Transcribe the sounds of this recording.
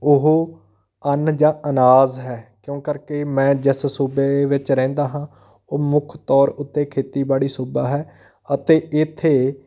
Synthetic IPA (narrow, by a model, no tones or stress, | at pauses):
ʊɦo | ənd͡ʒãːʔənaːzɦɛːkjõːkəɾkeːmɛ̃ːd͡ʒɪssuːbeːʋɪt͡ʃɾɛ̃ːnd̪aːɦãː | oːmʊkʰt̪ɔːɾʊt̪ːeːkʰeːt̪iːbaːɽiːsoːbaːɦɛː | ət̪eːɪt̪ʰːeː